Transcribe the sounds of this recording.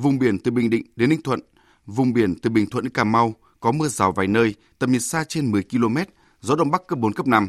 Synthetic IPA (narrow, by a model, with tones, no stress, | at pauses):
vʊ˨˩ŋ͡mɓi˧˩ənt̪ɨ˨˩ɓï˨˩ŋ̟ɗḭ˧˨ŋ̟ɗe˨˦nːï˧ŋt̪ʰwə̰˧˨n | vʊ˨˩ŋ͡mɓi˨˧˩ənt̪ɨ˨˩ɓï˨˩ŋt̪wə˧˨nʔɨ˧˦kaː˧˩ma˧w | kɔ˨˦mɨ˧əzaː˨˩wva̰ː˨˩jnəː˧j | t̪ə˨˩p̚ɲi˨˩t̚saː˧t͡ɕe˧nmɨ˨˩əjki˧lo˧mɛ˦˥t̚ | zɔ˨˦ɗə̰˧˨wŋ͡mɓa˦˥kːəː˦˥p̚ɓo˨˦nkə˦˥p̚na˧m